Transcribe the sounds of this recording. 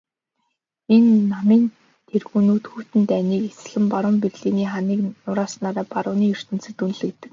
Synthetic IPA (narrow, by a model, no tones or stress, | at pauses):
enːamiːn | t̪ʰerɣunuːt̪xuːt̪ɘ̆nt̪æːniːkes̆ɮɘ̆mpaɾʊ̆mperɮiːniːχaniːknʊɾaːsnaːɾaːpaɾʊːniːɵr̥t̪ɘ̆nsɘ̆t̪unɮɘ̆kt̪ːɘ̆k